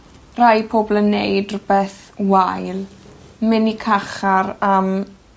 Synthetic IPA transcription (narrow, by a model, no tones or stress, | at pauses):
rajpʰoːblˠənːejdrʊbɛθ | wajlˠmɪnikʰaχaɾam